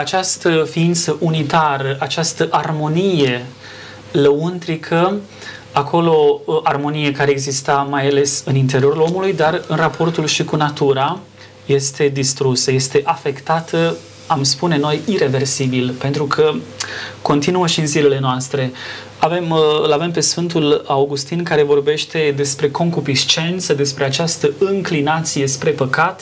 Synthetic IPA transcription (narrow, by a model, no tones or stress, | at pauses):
at͡ʃast̪əfiint̪səʔunit̪aɾəʔat͡ʃast̪əʔarmo̞nije̞ | ləunt̪ɾikʰə | akʰo̞lo̞ʔarmo̞nije̞kaɾeeɡzist̪amajale̞sɨnint̪e̞ɾio̞ɾulo̞mulujd̪arɨnrapʰo̞rt̪ulʃikunat̪uɾa | je̞st̪e̞d̪ist̪ɾusəje̞st̪e̞ʔafe̞kt̪at̪ʰə | amspune̞no̞jiɾe̞ve̞rsibilpe̞nt̪ɾukʰə | ko̞nt̪inuəʃiɨnzile̞le̞noast̪ɾe̞ | ave̞mɨlave̞mpe̞sfɨnt̪ulawɡust̪inkaɾe̞vo̞rbe̞ʃt̪e̞d̪e̞spɾe̞ko̞ŋkupist͡ʃe̞nt̪səd̪e̞spɾe̞at͡ʃast̪əɨŋklinat̪sije̞spɾe̞pəkat̪